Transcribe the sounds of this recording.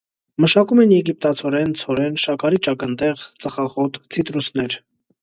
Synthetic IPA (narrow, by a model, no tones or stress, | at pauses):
məʃɑkumɛnjɛɡip̚t̪ɑt͡sʰɔɾɛnt͡sʰɔɾɛnʃɑkɑɾit͡ʃɑkənt̪ɛʁt͡səχɑχɔt̪t͡sʰit̪ɾusnɛɾ